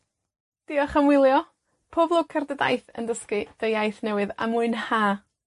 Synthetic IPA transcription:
d̥ɪɔχəmwɪlˠjɔ | pʰoːblˠoːɡ̚kʰərdəda̰jθə̰ndəskɨd̥ejajθnɛwɨða̰muɨnhaː

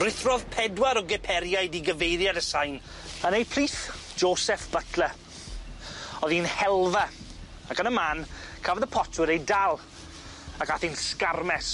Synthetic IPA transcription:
rɪθrɔðpʰɛdwaɾɔɡɛpʰɛɾjajdiɡəvejɾjadəsajn | ənejpʰr̥iːθ | d͡ʒoːsɛfb̥ətʰlə | ɔðinhɛlˠva | akənəmankʰavɛðəpʰɔtʰwɪɾejdalˠ | akaθinskarmɛs

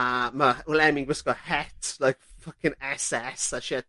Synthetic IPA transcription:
ʌməlɛmɪ̃ŋwɪsɡ̥ɔhɛtlaɪkfʌkɪ̃nɛsɛsaʃiə

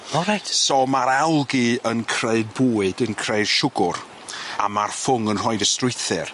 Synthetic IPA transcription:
ɔɾajtsomaɾawlˠɡiənkʰreɨd̚buːɨdənkʰreɨd̥ʃʊɡʊr | a̰marfʊŋənr̥ɔɨdəstrʊjθɨr

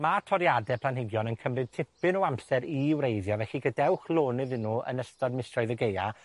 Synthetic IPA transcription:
matʰɔɾjadɛpʰl̥ˠanɦɪɡjɔnənkʰəmrɨd̥tʰɪpɨnɔamsɛɾiwrejðjɔvɛɬiɡədɛwχlˠoːnɨðɪnːuə̰nəstɔdmɪstrɔɨðəɡeja̰

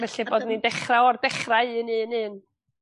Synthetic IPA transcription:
vɛɬɨboːdnidɛχraɔrdɛχraɨɨːnɨːnɨːn

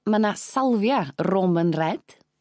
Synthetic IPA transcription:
manasalˠvjaromənrɛd̥

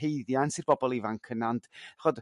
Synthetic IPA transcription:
ejðjansirbɔbɔlˠivaŋkʰənandʰaχɔd

